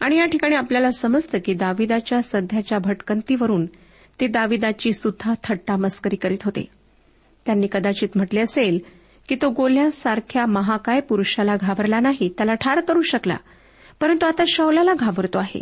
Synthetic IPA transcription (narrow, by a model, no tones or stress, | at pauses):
aɽ̃ijaʈʰikaɽ̃iapljalasəməd͡zt̪əkiːd̪aʋid̪at͡ɕjasəd̪ʱjat͡ɕjabʱəʈkənt̪iːʋəɾuːn | t̪ed̪aʋid̪at͡ɕiːsud̪ʱːat̪ʰəʈːaməskəɾiːkəɾiːt̪ɦot̪ḛ | t̪janːiːkəd̪at͡ɕiːt̪m̤əʈleəsel | kiːt̪oɡol̤jasaɾkʰjaməɦakajpuɾuɕalaɡʱabəɾlanaɦit̪jalaʈʰaɾkəɾuːɕəkla̰ | pəɾənt̪uat̪aɕəwlalaɡʱabəɾt̪oaɦḛ